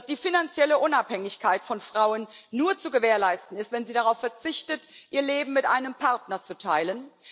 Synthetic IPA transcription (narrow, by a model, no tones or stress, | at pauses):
sd̥iːfinant͡sjɛləʔʊnaphɛŋɪçkʰaɪtfɔnfʁ̥aʊənːuːɐt͡suɡəveːɐlaɪstn̩ɪstv̥ɛnziːdaʁ̞aʊfːɛɐt͡sɪçtətʔiːɐleːbm̩mɪtʔa̰ɪnəmpʰaɐtnɐt͡sutʰaɪlən